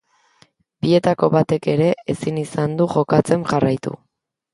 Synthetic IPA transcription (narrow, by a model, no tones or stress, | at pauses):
bie̞t̪ako̞βat̪e̞ke̞ɾe̞esinisand̪uʝo̞kat͡se̞mʝarajt̪ṵ